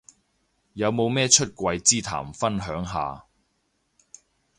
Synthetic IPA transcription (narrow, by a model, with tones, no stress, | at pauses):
jɐ˨˧wmo˨˧wmɛː˥t͡ʃʰɵ˥t̚kʷɐ˧jt͡siː˥t̪ʰa̰ː˨˩mfɐ˥nɦœː˨˥ŋɦa̰ː˨˧